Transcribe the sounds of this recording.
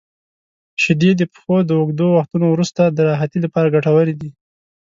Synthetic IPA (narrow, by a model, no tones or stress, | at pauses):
ʃɪd̪ed̪epə̥xod̪əʊɡd̪owaxt̪unowɾust̪ad̪əɾɑɦat̪ilapɑɾaɡaʈawəɾid̪i